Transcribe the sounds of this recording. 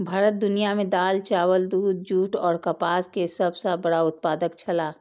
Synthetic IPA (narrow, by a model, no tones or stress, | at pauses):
bʱaːɾət̪̚d̪ʊnijamẽd̪aːlt͡ʃaːwəld̪uːd̪̚d͡ʒuːʈɔːɾkəpaːskesəbsabəɽaʊt̪̚paːd̪əkt͡ʃʰɐlaː